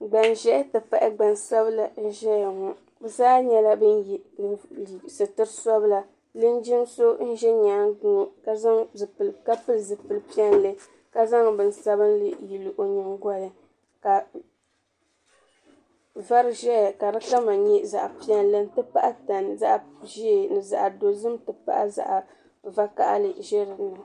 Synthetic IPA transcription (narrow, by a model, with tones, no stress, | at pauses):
ɡ͡ba˨nʒɛ˦tɨ˨pa˨ʔɪ˦ɡ͡ba˨nsa˦bla˨n̩˦ʒɛ˦ja˨ŋɔ˨ | bɨ˨zaː˦ɲɛ˦la˦bɨ˦nji˨ | sɨ˨tɨ˦ɾɨ˦sɔ˦bɨ˦la˨ | lɨ˦n˦d͡ʒi˦nso˦n̩˦ʒɛ˦ɲaː˨˦ɡu˦ka˦za˦ŋzɨ˨pɨ˨lka˦pɨ˦lzɨ˨pɨ˨lpi˦ɛ˦n˦lɨ˦ | ka˦za˦ŋbɨ˨n˦sa˦bɨ˦n˦lɨ˦ji˨lɨ˨ʔo˨ɲɨ˨ŋɡɔ˦ja˦ | ka˨ | va˦ɾɨ˦ʒɛ˦ja˨ka˨dɨ˦ka˦ma˨ɲɛ˦za˨ʔa˨pi˦ɛ˦nlɨ˦n˦tɨ˦pa˦ʔa˦ta˨nza˦ʔʒi˦˨nɨ˨za̰˨ʔa˨do˨zɨ˦mtɨ˨pa̰˦ʔa˦za̰˨ʔa˨ | va˦ka̰˦ʔa̰˦lɨ˨ʒɛ˦ɾɨ˨nɨ˨